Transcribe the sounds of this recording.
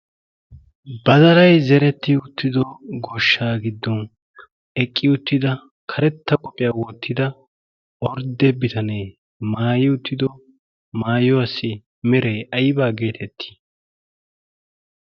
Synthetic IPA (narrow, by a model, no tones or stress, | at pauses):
bɐzɐɾɐjzɛɾɛt̪ːɪʊt̪ːɪd̪ɔɡoːʃːaːɡɪd̪ːɔn | ɛkʼːɪʊt̪ːɪd̪ɐ | kʰɐɾɛt̪ːɐkʼɔpʼːɪjaːwɔt̪ːɪd̪ɐ | ɔɾd̪ɛbɪt̪ʰɐneː | maːjɪʊt̪ːɪd̪ɔ | maːjɔɐsːɪ | mɛɾeʔɐjɪbaːɡe̞ːt̪ʰɛt̪ʰːi̥